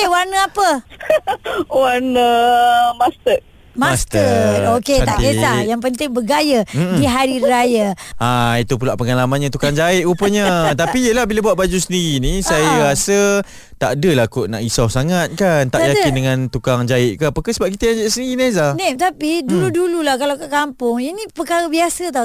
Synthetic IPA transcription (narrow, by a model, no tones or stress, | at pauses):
ewanəapə | wanəmast̪ə | maast̪əoket̪a̰ʔesajaŋpənt̪ɪŋbəɡajəm̩diɦaɾiɾajəait̪upulaʔpəŋalamanɲat̪ukaŋd͡ʒaɪʔupəɲət̪apijəlahbilabuaʔ̚bad͡ʒusəndiɾinisajəasə | t̪a̰ʔdəlakoʔna̰ʔisawsaŋat̪̚kant̪aʔjakɪnndəŋãnt̪ukaŋd͡ʒaɪʔkaapakasəbap̚kit̪əjaŋd͡ʒaɪʔsəndiɾinezanet̪apiduludululahkalawkakampʊŋinipəkaɾəbiasət̪a